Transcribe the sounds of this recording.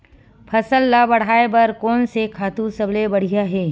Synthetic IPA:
pʰɐsəlːabɐɽ̤aːebɐɾkɔːnsekʰaːt̪usɐblebɐɽ̤ijaɦɛː

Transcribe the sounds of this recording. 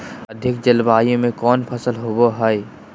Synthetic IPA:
əd̪ʱɪk̚d͡ʒəlbaːjõmẽkɔːnpʰəsəlɦoboɦəj

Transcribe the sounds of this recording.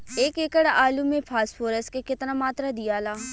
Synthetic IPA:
eːkekəɽaːlumẽpʰaːsfʰoːɾəskekɪt̪namaːt̪ɾad̪ijaːlaː

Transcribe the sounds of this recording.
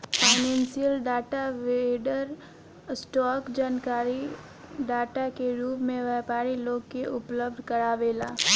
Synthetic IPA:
paːɪnẽːnsiəlɖaːʈaʋeɖəɾ | sʈɔːkd͡ʒaːnkaːɾi | ɖaːʈakeɾuːpmẽʋɛːpaːɾiloːɡkeʔʊpləb̚d̪ʱkɐɾaːʋeːlaː

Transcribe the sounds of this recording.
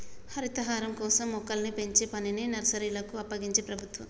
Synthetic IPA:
hɐɾit̪ɐɦaːɾɐmkɔːsɐmːɔkːɐlnipe̞ɲt͡ʃeːpɐnininɐɾɐsɐɾilɐkuɐpːɐɡiɲt͡ʃe̞ːpɾɐbʱut̪ʋɐ̰m

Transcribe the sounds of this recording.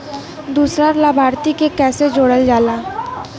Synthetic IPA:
d̪uːsɾaɾlabʱaːɾt̪ikekɛːsed͡ʒoːɽəld͡ʒaːlaː

